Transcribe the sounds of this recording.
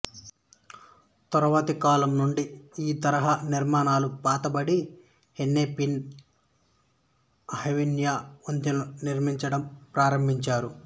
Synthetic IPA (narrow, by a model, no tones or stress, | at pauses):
t̪ɔɾɐʋɐt̪ikaːlɐmnuɳɖiiːt̪ɐɾɐɦaːniɾmaːnaːlupaːt̪ɐbɐɽi | henːeːpin | ɐhɐʋinjaːont̪inuniɾmiɲt͡ʃɐɽɐmpɾaːɾɐmbʱiɲt͡ʃaːɾu